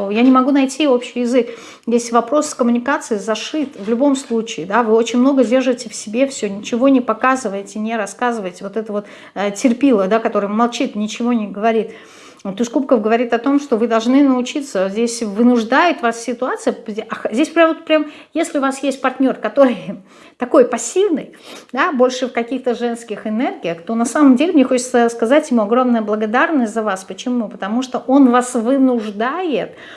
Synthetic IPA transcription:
janʲɪmɐɡunɐjtʲio̞pɕːɪjɪzɨk | jesʲɪvɐpɾo̞sːkəmʊnʲɪkat̪sɨɪzɐʂɨt̪vlʲʊbo̞mslˠut͡ɕɪːd̪avɨo̞t͡ɕɪnʲmno̞ɡədʲe̞rʐɨtʲɪfsʲɪbʲefsʲonʲɪt͡ɕɪvonʲɪpɐkazɨvəjɪtʲɪnʲɪɾɐskazɨvəɪtʲvo̞t̪ɛt̪əvo̞t̪ː | tʲɪrpʲilˠəd̪akɐt̪o̞ɾɨjmɐlˠt͡ɕit̪nʲɪt͡ɕɪvo̞nʲɪɡəvɐɾʲit̪ | t̪ːʊskup̚kəfɡəvɐɾʲit̪ɐt̪o̞mʂt̪o̞vɨd̪ɐlˠʐnɨnəʊt͡ɕit̪səzʲdʲesʲvɨnʊʐd̪ajʊt̪vassʲɪt̪ʊat̪sɨjəɐxzʲdʲesʲpɾʲamvot̪̚pɾʲam | jesʲlʲɪʊvasjesʲt̚ʲpɐrtʲnʲo̞rkɐt̪o̞ɾɨj | t̪ɐko̞jpɐsʲːivnɨj | d̪abo̞lʲʂɨfkɐkʲixt̪əʐɛnskʲɪxɪnɛrɡʲɪjəxt̪o̞nɐsaməmdʲelʲɪmnʲexo̞t͡ɕɪt̪səskɐzatʲjɪmuɐɡɾo̞mnəjəblˠəɡɐd̪arnəsʲtʲzəvaspət͡ɕɪmupət̪ɐmuʂt̪oʔo̞nvasvɨnʊʐd̪ajɪt̪̚

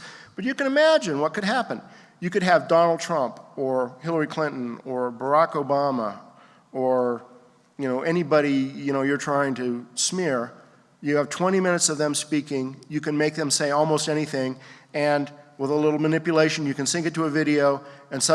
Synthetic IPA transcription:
b̥ʌt͡ʃɨkɨ̃ñɨmæd͡ʒɨ̃nwʌt̚kɨd̚ɦæpə̃n | jɨkɨd̚ɨvdɑnl̩ˠd̚tʰɹ̥ʌ̃mpə˞hɪlˠə˞ikʰl̥ɪ̃nʔn̩ə˞bə˞ɑkoʊbɑmə | ə˞ | jɨnoʊʔɛñibəɾijɨñoʊjə˞tʰɹ̥aɪɪ̃ŋtʰɨsmɪɹ | jɨːv̥tʰw̥ɛ̃ɾ̃imɪ̃ñɨtsʌvðɨ̃mspikɪ̃ŋjɨkɨ̃nmeɪk̚ðɨ̃mseɪɔlˠmoʊstɛɾ̃iθɪ̃ŋɨ̃nwəðəlɪɾl̩ˠmɨnɪpjɨleɪʃɨ̃n̩jɨkɨ̃n̩sɪ̃ŋkɨ̃tʰɨəvɪɾioʊɨ̃nsʌ̃

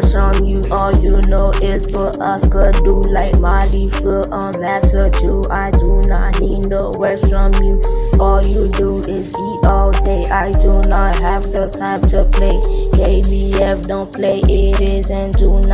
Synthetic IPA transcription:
ɹɔ̃mjuʔɔljunoʊʔɪltəʔʌskədulaɪk̚malifəʔənðɛsəd͡ʒuaɪdunɔ̰t̚hĩndowɛfɹɔ̃mjuɔljudu | ɪziʔɔlteʔaɪdunɔt̚hævðətʰãɪ̃mtʰupʰleɪkebiɛfdõʊ̃npʰleɪʔɪɾɪzɨ̃ndun

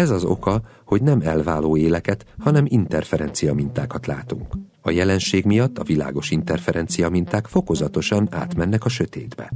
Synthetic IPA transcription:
ɛzɒzo̞̰kɒ | ho̞ɟnɛmɛlvaːloːeːlɛkɛt̪hɒnɛmint̪ɛrfɛɾɛnt̪sijɒmint̪a̰ːkɒt̪la̰ːt̪uŋk | ɒjɛlɛnʃeːɡmijɒt̪ːɒvila̰ːɡo̞ʃint̪ɛrfɛɾɛnt̪sijɒmint̪aːkfo̞ko̞zɒt̪o̞ʃɒna̰ːt̪mɛnːɛkɒʃø̞t̪eːd̪bɛ̰

